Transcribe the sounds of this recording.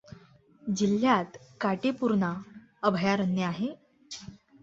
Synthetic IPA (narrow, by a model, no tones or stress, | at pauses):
d͡ʑilːjat̪kaʈepuɾna | əbʱjaɾənjəaɦe